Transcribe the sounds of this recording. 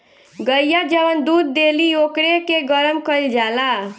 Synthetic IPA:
ɡəjjad͡ʒəʋənd̪ud̪̚ːeliokɾekeɡəɾəmkəild͡ʒala

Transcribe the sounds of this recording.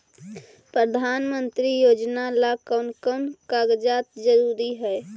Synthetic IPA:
pɾəd̪ʱaːnmə̃nt̪ɾijoːd͡ʒnalakəːnkənkaːɡd͡ʒaːt̪d͡ʒəɾuːɾiɦɛː

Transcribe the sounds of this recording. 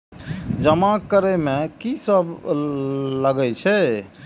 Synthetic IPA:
d͡ʒəmakəɾemekisəb | ləɡɛt͡ʃʰɛ

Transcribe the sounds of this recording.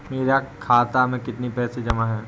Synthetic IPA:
meːɾakʰaːt̪amẽkɪt̪nipɛːsed͡ʒɐmaɦɛː

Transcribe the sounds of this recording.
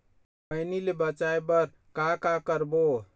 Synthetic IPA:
pənilebət͡ʃaebəɾ | kakakəɾbo

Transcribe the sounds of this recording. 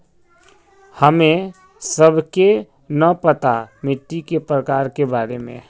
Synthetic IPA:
həmẽ | səbʱke | nəpət̪amɪʈ̪ːikepɾəkaːɾkebaːɾemḛ̃

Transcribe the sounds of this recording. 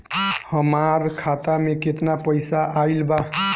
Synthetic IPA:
həmaɾkʰat̪ameket̪napəjsaʔailba

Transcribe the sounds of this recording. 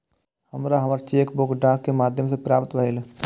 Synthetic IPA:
həmɾaɦəmaɾt͡ʃeːkbʊkɖãːkːemaːd̪ʱjəmsepɾaːpt̪ʋəɦil

